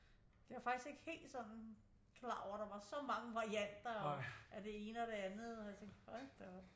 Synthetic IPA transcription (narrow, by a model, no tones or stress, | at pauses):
d̥eʋɑ̈fɑ̈ɡ̥d̥i̥sɡ̥e̝ɡ̥ə̥he̝̰ːld̥sɒ̽n̰n̩ | kʰlɑ̰̈ːɒ̰ʊ̰ɐɾ̥ɑ̈ʋɑ̈sɒ̽mɑ̈ŋəʋɑ̈ʁiæn̰d̥ɐɒʔæd̥e̝e̝ːnəɒ̽d̥e̝ænð̩ˠɒjat͡sʰeŋɡ̥pʰɒ̥d̥e